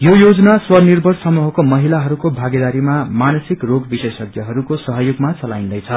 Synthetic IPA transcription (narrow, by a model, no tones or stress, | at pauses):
jojod͡zʌnaswʌnirbʱʌrsʌmuɦʌkomʌɦilaɦʌɾukobʱaɡed̪aɾimamanʌsikroɡbisesʌɡjʌɦʌɾukosʌɦʌjoɡmat͡sʌlaĩnd̪ʌjt͡sʰʌ